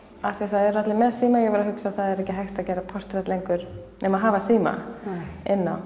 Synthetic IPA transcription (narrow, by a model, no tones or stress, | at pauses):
aθiaθaðɛɾːat̪lɪmɛðsiːmajɛɣvɛɾaɦʏksaðθaðɛɾɛhcɪɦajxt̪acɛːɾapʰɔr̥t̪ɾɛt̪lejŋkʏɾ̥nɛmaðɦaːvasiːma̰ | ɪnːa̰w